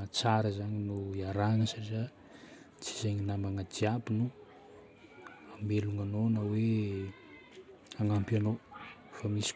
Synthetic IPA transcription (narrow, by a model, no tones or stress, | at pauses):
at͡saɾəzaɲinuaɾanəsaʈ͡ʂia | t͡si̥zajɲinamaŋad̪iabinu | ameluŋanonawe | aŋampano | famisi̥